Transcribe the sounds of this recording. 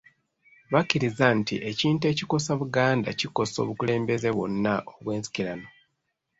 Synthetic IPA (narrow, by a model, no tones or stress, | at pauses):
βacːiɾizantiʔe̞ciːnte̞ciko̞saβuɡaːnda̰ciko̞so̞̰ːβukule̞ːmbe̞ze̞βwo̰nːaʔoβwe̞ːnsi̥kilano̞